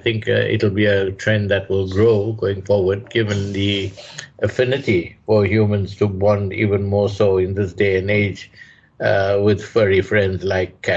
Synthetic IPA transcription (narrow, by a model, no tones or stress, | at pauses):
aɪt̪ɪ̃ŋkɪ̰tl̩ˠbiətʰɹɛ̃nd̪ɨʈwɪlˠɡɾoːɡoːɪ̃ŋfɔɹwəd̚ɡɪvə̃nd̪iʔəfɪnɪtifɔɹɦjuːmə̃nz̥tubɔ̃ndḭːvə̃nmɔːɹsoːɪ̃nd̪ɪsdeɨ̃neɪd͡ʒ | wɪd̪fɛɹifɾɛ̃ndzlaɪkːæ